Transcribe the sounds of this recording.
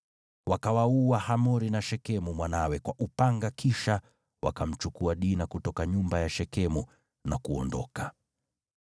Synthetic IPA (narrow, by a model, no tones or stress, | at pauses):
wakawauahamɔɾinaʃɛkɛmumwanawɛkwaʔupaŋɡakʰiʃa | wa̰kam̩t͡ʃukuaɗinakutɔkaɲumbajaʃɛkɛmu | nakuɔ̰ndɔ̰ka